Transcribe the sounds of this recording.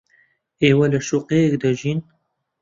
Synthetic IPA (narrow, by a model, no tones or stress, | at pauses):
eːwɐləʃuqeɛkd̪əʒiːn